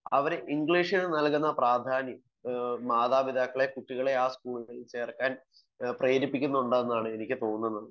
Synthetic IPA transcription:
ɐ̰ʋɐɾeʔiŋɡɭiːʂinɨnɐlkunːɐpraːd̪ʱaːnjɐ | maːðaːʋid̪ʱaːkːɐɭe̞kuʈːiɣɐɭe̞aːskuːɭɣɭet͡ɕe̞ːrkːaːn | prejːɾipːikʲːunːɐuɳɖaːenːaːɳɨe̞nikʲːɨt̪o̞ːnːɐnːɐð

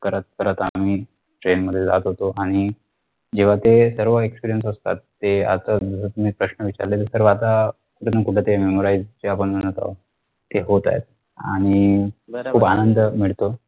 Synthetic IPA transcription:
kəɾat̪̚kəɾət̪a̰m̤iː | ʈɾenməd̪ʱːjed͡za̰t̪ɦot̪oʔaɽ̃i | d͡ʑeʋ̤at̪esəɾʋəekspiɾijənsəst̪a̰t̪ːea̰t̪ad͡zəsət̪um̤iːpɾəɕnəʋit͡ɕa̰ɾlet̪əɾsəɾʋəat̪a | kuʈʰenəkuʈʰet̪ememoɾaizt͡ɕeapəɳməñət̪a̰ʋ | t̪eɦot̪a̰jḛt̪̚ | a̰ɽ̃i | kʰuːpanənd̪əmiɭt̪o

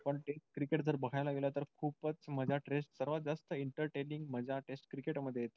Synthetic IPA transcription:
pəɳʈesʈ̚kɾikeʈd͡zəɾbəɡʱajlaɡelat̪əɾkʰuːpət͡sməd͡ʑʱaʈɾesʈsəɾʋad͡zast̪əiɳʈəɾʈeliŋɡməd͡ʑʱaʈesʈkɾikeʈməd̪ʱjeet̪

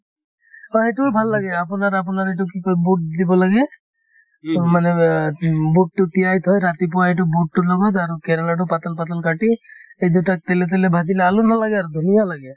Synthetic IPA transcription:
ɔeʈubʱalːaɡɛapunaɾap̬unaɾeʈ̬ukikɔbuʈ̚d̪ibɔlaɡɛ | mane | buʈ̚ʈuʈijajt̪ʰɔjɾat̪ip̬ɔwaeʈ̬ubuʈ̚ʈulɔɡɔt̪aɾukɛɾalaʈupat̪alpat̪alkaʈiejd̪uʈak̚t̪elet̪̬elebʱad̪ilealunalaɡɛaɾud̪ʱunijalaɡe

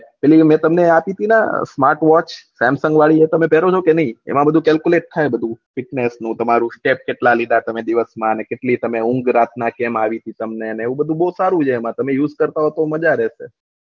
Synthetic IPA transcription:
pɛlimɛ̃t̪əmneapit̪ʰina̰smaɾʈʋɔt͡ʃsɛ̃msə̃ŋɡʋaɭiet̪əmẽpɛɾot͡ʃʰokenəɦĩḛmãbəd̪ʱũkɛlkuleʈ̚t̪ʰːajbəd̪ʱũfɪʈnesnũt̪əmaɾũsʈep̚keʈlalid̪ʱat̪əmed̪iʋəsmãənekeʈlit̪əmeʊ̃ŋɡɾat̪ʰnakemaʋit̪ʰit̪əmneəneːʋũbəd̪ʱũboɦusaɾũt͡ʃʰeːmãt̪əmẽjuzkəɾt̪aɦot̪oməd͡ʒaɾɛʃḛ

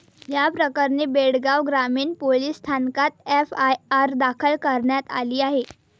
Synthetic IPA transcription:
japɾəkəɾɳiːbeɽɡaʋɡɾamiːnpoliːsːt̪ʰankat̪̚efaaɾd̪akʰəlkəɾɳjat̪a̰liːaɦe

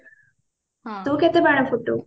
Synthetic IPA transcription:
t̪okɛt̪ebaɽafuʈːo̰

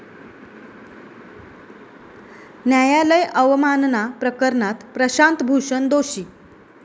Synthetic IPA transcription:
njajaləjʔəʋmannapɾəkəɾɳat̪pɾəɕant̪bʱuʂənd̪oɕiː

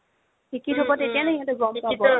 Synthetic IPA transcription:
kʰikitʰɔbɔtetijanɛiɔ̃ntʊɡɹɔmpabɔ

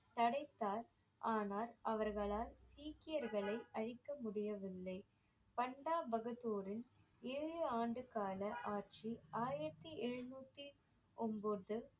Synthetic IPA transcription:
t̪ɐɽɐɪt̪ːaːɾ | ʔaːnaːɾʔɐʋɐɾɣɐɭaːlsiːkɪjɐɾɣɐɭɐɪʔɐɻɪkːɐmʊɽɪjɐʋɪlːɐɪ | pɐɳɖaːbɐɣɐðoːɾɪn | eːɻɯaːɳɖɯkaːlɐʔaːɾt͡ʃiaːjɪɾɐt̪ːiɛɻɯnuːt̪ːi | ʔɔmboːðɯ

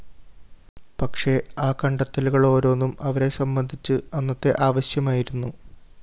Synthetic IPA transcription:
pɐkʂe̞aːkɐɳɖɐt̪ːɐluɣɐɭo̞ːɾo̞ːnːumɐʋɐɾe̞sɐmbɐnd̪ʱit͡ɕːɨɐnːɐt̪ːe̞ʔaːʋɐɕjɐmaːjiɾunːu

